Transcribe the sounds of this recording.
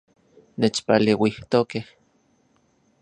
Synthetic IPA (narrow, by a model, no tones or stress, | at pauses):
net͡ʃpalewiht̪okeh